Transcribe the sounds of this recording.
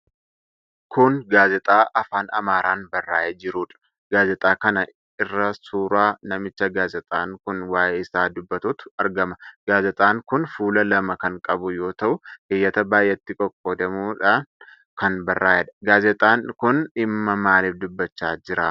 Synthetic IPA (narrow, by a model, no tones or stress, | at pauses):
kʊnɡaːzɛt̪ʼaːʔɐfaːnɐ̰maːɾaːnbɐrːaːjed͡ʒɪɾuːᶑɐ̥ | ɡaːzɛt̪ʼaːkɐnɐ | ɪrːɐsuːɾaːnɐmɪt͡ʃːɐɡaːzɛt̪ʼaːŋkʊnwaːʔeɪsaːd̪ʊbːɐt̪uːt̪ʊ̥ɐɾɡɐmɐɡ̥aːzɛt̪ʼaːŋkʊnfuːlɐlɐmɐkɐŋkʼɐbʊjo̞ːt̪ɐʔʊhɪjːɐt̪ɐbaːjːɛt̪ːɪkʼɔkʼːoːd̪ɐmuːᶑa | kɐnbɐrːaːjɛᶑɐ̥ɡaːzɛt̪ʼaːnkʊnɪmːɐmaːliːfd̪ʊbːɐt͡ʃːaːd͡ʒɪɾa